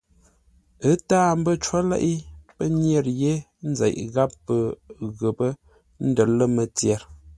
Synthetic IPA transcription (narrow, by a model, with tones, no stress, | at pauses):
ə˦taː˦m˦bə˦t͡ʃwa˦lɛ̰˦ʔi˦pə˦njɛ˦˨ɾje˦ | n̩˦zɛ̰˨ʔɣa˦pːə˨ɣə˨pə˦ | n̩˦də˨lə˦mə˨tjɛ˨ɾ